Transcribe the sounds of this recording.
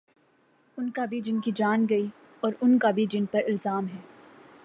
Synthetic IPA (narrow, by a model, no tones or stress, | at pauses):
ʊnkabʱid͡ʒɪnkid͡ʒaːnɡɐi | ɔːɾʊnkabʱid͡ʒɪnpɐɾɪlzaːmɦɛː